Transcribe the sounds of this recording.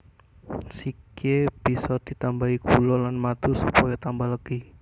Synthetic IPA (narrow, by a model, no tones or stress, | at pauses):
sikeb̥i̤sɔd̪̥it̪ambaikulɔlanmad̪̥usupɔjɔt̪ambaləɡ̥i